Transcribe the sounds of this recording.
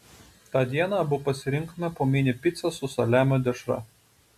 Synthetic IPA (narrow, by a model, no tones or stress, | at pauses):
t̪ɑːd̪ʲiɛnɑːbʊpɐsʲɪɾʲɪŋˑkmɛpoːmʲɪnʲɪpʲɪt̪sʲɛsʊsɐlʲæːmʲoːd̪ʲɛʃɾɐ̰